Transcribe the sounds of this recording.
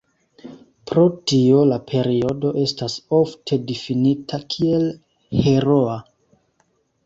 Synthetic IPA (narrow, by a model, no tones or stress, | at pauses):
pɾo̞tio̞lapʰe̞ɾio̞do̞ʔe̞staso̞ftʰe̞difinitʰakʰie̞l | he̞ɾoa